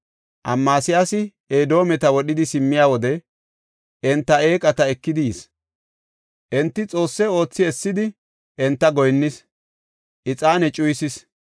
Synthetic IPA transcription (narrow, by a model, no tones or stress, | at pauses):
ʔɐmːaːsɪjaːsɪ | eːd̪o̞ːmɛt̪ɐwɔɗɪd̪ɪsɪmːɪjaːwɔd̪ɛ | ʔɛnt̪ːɐe̞ːkʼɐt̪ɐɛkːɪd̪ɪjis | ʔɛnt̪ːɪt͡sʼo̞ːsːɛo̞ːt͡sːɪɛsːɪd̪ɪ | ʔɛnt̪ːɐɡɔjnːɪs | ʔɪt͡sʼaːnɛt͡ʃʼʊjsɪs